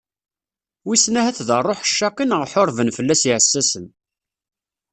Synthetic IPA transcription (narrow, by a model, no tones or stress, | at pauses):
wisnæhæθðərˤːoħʃːɑqinəʁħoɾˤvənfəlːæsiʕəsːæsən